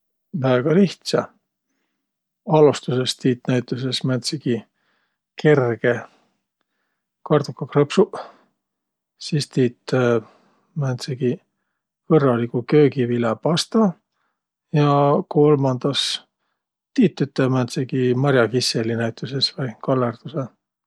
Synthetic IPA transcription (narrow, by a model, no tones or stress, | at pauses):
væːɡ̥ɑliht̪sɑ | ɑlust̪use̞st̪iːt̪ːnæjt̪ˑuse̞smænt̪seɡ̥i | kʰe̞rɡ̥e̞ | kɑrd̪ukːɑkrɤpsu | sist̪iːt̪ː | mænt̪seɡ̥i | kɤrːɑlikukøːɡivilepɑst̪ɑ | jɑko̞lmɑnd̪̥ɑs | t̪iːt̪ːyt̪ːˑemænt̪seɡ̥imɑɾʲjɑkiselinæjt̪ˑusesvɤjkɑlːerd̪̥use